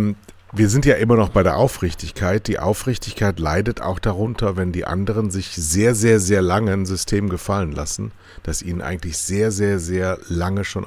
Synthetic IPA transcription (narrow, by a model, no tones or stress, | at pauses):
viːɐzɪntjaːʔɪmɐnɔχb̥aɪɾeːɐʔaʊfʁ̥ɪçtɪçkʰaɪt̚d̥iːʔa̰ʊfʁ̥ɪçtɪçkʰaɪtla̰ɪdətʰa̰ʊxd̥aʁ̞ʊntʰɐvɛndiːʔa̰ndəʁ̞ənzɪçz̥eːɐzeːɐzeːɐlaŋənzʏstʰeːmɡəfalənla̰sn̩ | d̥asʔḭːnənʔa̰ɪɡŋ̩tlɪçz̥eːɐzeːɐzeːɐlaŋəʃoːn